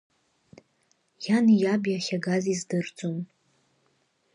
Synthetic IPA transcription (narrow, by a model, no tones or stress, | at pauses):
janjabjaχʲaɡazizdɨrd͡zʼom